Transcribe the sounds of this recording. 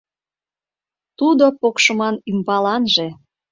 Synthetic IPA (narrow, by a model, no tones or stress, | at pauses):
t̪ud̪opokʃə̆mɑnymbɑlɑnʒe